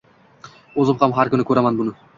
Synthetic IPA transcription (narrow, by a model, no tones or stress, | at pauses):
ozup̚qʰɑmɦɑɾkʲʏnɪkʰɵɾamɑnbʊnʊ